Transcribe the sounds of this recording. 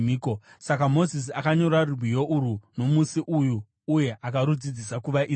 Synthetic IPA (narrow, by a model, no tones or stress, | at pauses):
miːkosakamo̞zis̬iakaɲo̞ɾarurwijo̞ʔuɾuno̞musiʔujuː | je̞ʔakaɾud͡zid͡zisakuʋaʔi